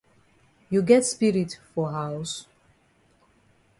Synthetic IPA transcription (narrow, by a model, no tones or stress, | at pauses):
juɡɛtspiɹitfɔɦaʊs